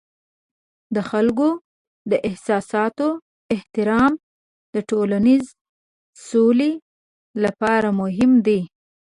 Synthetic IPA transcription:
d̪əxalɡo | d̪əʔɪhsɑsɑt̪o | ɪht̪ɪɾɑm | d̪əʈolaniz | sole | lapɑɾamʊɦɪmd̪i

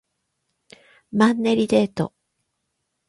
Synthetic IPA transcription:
mãnːeɾʲid̪e̞ːt̪o̰

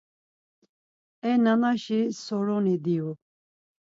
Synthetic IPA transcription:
ɛnanaʃisɔɾɔnid̪iu

